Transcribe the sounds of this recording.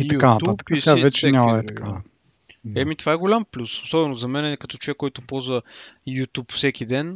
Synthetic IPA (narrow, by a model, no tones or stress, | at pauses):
ijt̪ɐukanɐt̪uat̪ə̥kəsavɛt͡ʃɛɛɲʲamd̪ɛt̪ɐ̥kʰa | ɛmit̪ovaɛɡolʲamplʲusosɔbɛnozɐmɛnɛkɐt̪ɔt͡ʃovɛkːɔjt̪ʊpɔzvəjut̪ʲupfsɛkid̪ɛn